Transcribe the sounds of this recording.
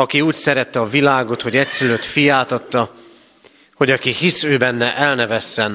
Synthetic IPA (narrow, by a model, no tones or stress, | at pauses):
ɒkiuːcsɛɾɛt̪ːɛɒvilaːɡo̞t̪ho̞ɟɛcsyløt̪fijaːt̪ɒt̪ːɒ | ho̞ɟɒkihisøːbɛnːɛʔɛlnɛvɛsːɛn